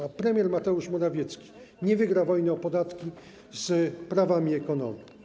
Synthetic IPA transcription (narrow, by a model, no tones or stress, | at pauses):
apɾɛmʲjɛɾmat̪ɛuʂmɔɾavʲjɛt̪skʲi̥ | ɲɛvɘɡɾavɔjnɛɔpɔd̪at̪kʲi | z̥pɾavamʲiɛkɔnɔ̰mʲi